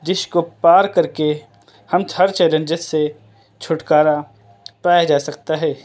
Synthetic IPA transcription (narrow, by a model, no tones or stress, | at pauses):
d͡ʒɪʃkopaːɾkɐɾke | hɐmt̪ʰɐɾt͡ʃɛːlə̃nd͡ʒɪsːe | t͡ʃʰʊʈkaːɾa | paːjad͡ʒaːsɐkt̪aɦɛː